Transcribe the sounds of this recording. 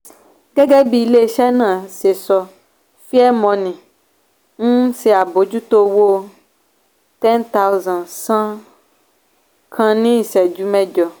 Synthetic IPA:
ɡɛ˦ɡɛ˦bi˨le˦ʃɛ˦nã˨se˨sɔ˨˧ | fi˦ɛ˦mɔ̃˨˦nĩ˨ | ŋũ˦se˨a˨bo˨˦d͡ʒu˦t̪o˦wo˦ | t̪ɛ˦nt̪a˦wzã˨nsã˦ | kʰã˦nĩ˦˨sɛ˨d͡ʒu˦mɛ̃˦d͡ʒɔ˨

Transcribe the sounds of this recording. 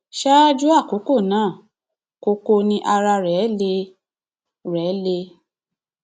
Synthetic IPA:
ʃa˦d͡ʒu˦a˦˨ko˨˦ko˦˨nãː˦˨ | ko˧ko˧nĩ˦ʔa˧ɾa˧ɾɛ˨˦le˧ | ɾɛ˨˦le˧

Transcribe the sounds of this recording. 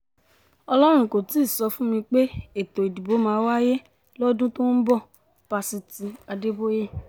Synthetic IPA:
ɔ˧lɔ˦ɾ̃ũ˦˨ko˨ti˨˦˨sɔ˧fũ˦mĩ˧k͡pe˦e˦˨to˨i˨di˨bo˨˦mãː˧˦wa˦je˦ | lɔ˦dũ˦to˦n̩˦bɔ˦˨ | pa˧si˧ti˨˧a˧de˦bo˦je˦

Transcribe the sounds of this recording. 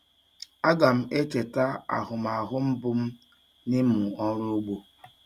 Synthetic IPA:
a˦ɡa˨m̩˦e˦t͡ʃe˨ta˦a̰˨ɦʊ˨ma˨ɦʊ˦m̩˦bʊ˦m̩˦ | ni˦m˦u˨ɔ˦ɾu˦ɡ͡bo˦

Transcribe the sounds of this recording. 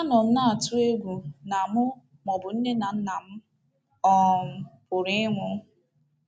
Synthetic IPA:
a˦nɔ˨m̩˦na˦a˨tʊ˦e˦ɡʷu˨na˨mʊ˦ | mɔ˨bʊ˨n̩˦ne˦na˨n̩˦na˨m̩˦ | ɔ˦m̩˨pʊ˨ɾi˦ŋʷʊ˦

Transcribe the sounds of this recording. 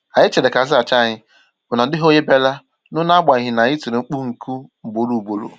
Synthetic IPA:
a˨ɲɪ˦t͡ʃe˨de˨ka˨zɪ˦a˨t͡ʃa˦˨ɲɪ˦ | bʊ˨na˨dɪ˦ɦo˦ɲe˦be˦la˦ | nʊ˦na˦ɡ͡ba˨i˨ɦɪ˨na˨ɲi˦tu˨ɾe˨ŋ͡m̩˦k͡pu˦ŋ̩˨ku˦ŋ͡m̩˨bo˨ɾu˨bo˨ɾṵ˨

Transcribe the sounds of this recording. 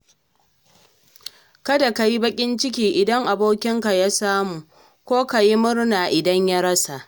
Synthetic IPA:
kɐ˦da˨ka˨ji˦bɐ˦kʲʼɪ˦nt͡ʃɪ˦kʲiː˦ʔɪ˨dɐ˦ŋʔa˨boː˦kʲɪ˦ŋka˨ja˦saː˦muː˨ | kʷoː˦ka˨ji˦mʊ˦rnaː˨ʔɪ˨dɐ˦ɲja˦ɽɐ˦sa˨ʔ

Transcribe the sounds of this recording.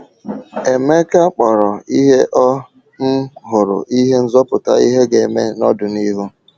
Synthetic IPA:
e˨me˦ka˦k͡pɔ˨ɾɔ˨i˦ɦe˦ʔɔ˦ | m̩˦ɦʊ˨ɾʊ̰˨ʔi˦ɦe˦n̩˦zɔ˦pʊ˨ta̰˦i˦ɦe˦ɡe˨me˦nɔ˦dʊ˨ni˦ɦu˦

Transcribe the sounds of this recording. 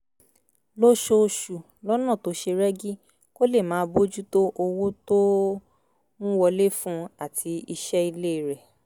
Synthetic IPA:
lo˦ʃo˧ʃu˨ | lɔ˦nã˦˨to˨˦ʃe˧ɾɛ˦ɡi˦ | ko˦le˦˨mãː˨˦bo˦d͡ʒu˦to˦ʔo˧wo˦to˦ | nũ˦wɔ˧le˦fũ˦a˦˨tʰi˨˧i˧ʃɛ˦i˧le˦i˨ɾɛ˨

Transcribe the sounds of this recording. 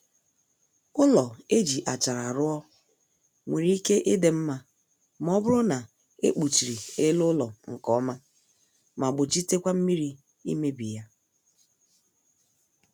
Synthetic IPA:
ʊ˦lɔ˨e˦d͡ʒi˨ʔa˨t͡ʃa˨ɾa˨ɾʊ˦ɔ˦ | ŋʷe˨ɾi˦i˦ke˦ʔɪ˦de˨m̩˦ma˦ | m˦ɔ˦bʊ˦ɾʊ˦na˨ | e˦k͡pu˨t͡ʃi˨ɾi˨e˦lʊ˦lɔ˨ŋ̩˨kɔ˦ma˦ | ma˨bʊ˨t͡ʃi˦te˦kʷa˦m̩˦mi˦ɾi˦ | ḭ˦me˦bi˨ja˦

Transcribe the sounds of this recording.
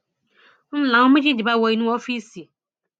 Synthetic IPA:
n̩˦lã˨˦ɔ̃˦mɪ̃˦d͡ʑi˦d͡ʒi˨ba˦˨wɔ˨i˨˦nũ˦ɔ˦fi˦si˨

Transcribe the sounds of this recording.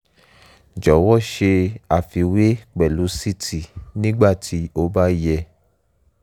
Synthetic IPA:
d͡ʒɔ˨˦wɔ˦˨ʃe˧a˨fi˧we˦k͡pɛ˨lu˨˦si˦˨tʰi˨nĩ˦ɡ͡ba˦˨tʰi˨˦o˧˦ba˦jɛ˧

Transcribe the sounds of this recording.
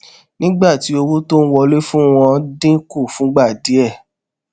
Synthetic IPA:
nĩ˦ɡ͡ba˦˨ti˨˦o˧wo˦to˦n̩˦wɔ˧le˦fũ˦w̃ɔ̃˧˦dĩ˦ku˦˨fũ˨˦ɡ͡ba˦˨di˨˦ɛ˦˨

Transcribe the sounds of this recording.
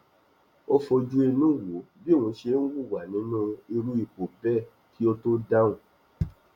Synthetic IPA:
o˦fo˧d͡ʒu˦e˧nũ˦˨wo˨˦ | bi˦˨wũ˧˦ʃe˧˦n̩˦wu˦˨wa˨nĩ˨˦nũ˦e˧ɾu˦i˦˨k͡po˨bɛ˦˨ | ki˦o˦to˦da˦ũ˨˦

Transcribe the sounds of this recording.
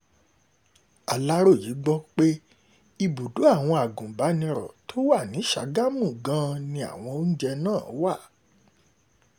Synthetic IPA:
a˨la˦ɾo˦˨ji˨˦ɡ͡bɔ˦k͡pe˦ | i˧bu˨du˨˦a˦˨w̃ɔ̃˧a˨ɡũ˨ba˨˦nĩ˧ɾɔ̰˨to˦wa˦˨nĩ˨˦ʃa˨˦ɡa˦mũ˦˨ɡã˦nĩ˧a̰˨w̃ɔ̃˧o˦n̩˦d͡ʒɛ˧nãː˦˨˦wa˦˨

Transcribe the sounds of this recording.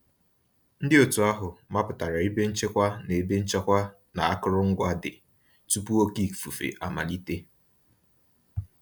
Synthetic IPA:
n̩˦dɪ˦o˨tu˨a˦ɦʊ˨ma˦pʊ˨ta˨ɾa˨i˦be˦n̩˦t͡ʃe˦kʷa˦ne˨be˦n̩˦t͡ʃa˦kʷa˦ | na˨a˦kʊ˦ɾʊ˦ŋ̩˦ɡʷa˦dɪ˨ | tu˦pu˦o˦ki˦˨fu˨fḛ˨ʔa˨ma̰˨li˦te˦

